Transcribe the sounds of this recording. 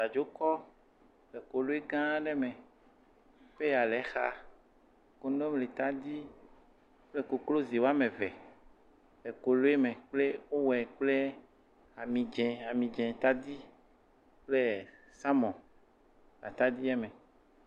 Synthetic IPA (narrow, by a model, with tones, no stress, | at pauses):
ta˨d͡ʒo˦kɔ˦ | le˨ko˨lo˦e˦ɡã˦ɖɛ˦mẽ˨ | ɸe˦ja˨lɛ˨˦xa̰˨ | ko˨nɔ̃˦mle˨t̪a˦d̪i˦ | k͡ple˦ko˨klo˦zi˨wo˦a˦mẽ˨vɛ˨ | ɛ˨ko˨lo˦e˦mẽ˨k͡ple˦wo˦wɛ˨k͡ple˦ | a˨mĩ˨d͡ʒɛ̃˨a˨mĩ˨d͡ʒɛ̃˨t̪a˦d̪i˦ | k͡ple˦ | sa˦mɔ̃˨ | a̰˨t̪a˦d̪i˦ɛ˦mɛ̃˨